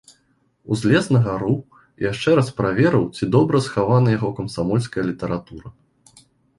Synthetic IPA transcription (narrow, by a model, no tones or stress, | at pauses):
uzʲlʲɛsnɐɣɐɾu | jaʂt͡ʂɛɾaspɾavʲɛɾɐwt͡sʲid̪ɔbɾɐsxavanɐjaɣɔkɐmsamɔlʲskɐjɐlʲit̪ɐɾat̪uɾɐ